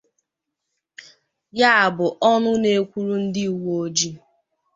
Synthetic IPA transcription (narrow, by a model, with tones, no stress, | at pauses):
ja˦a˨bʊ˨ʔɔ˦nʊ˦ne˦kʷu˦ɾu˦n̩˦dɪ˦u˨wo˦d͡ʒi˦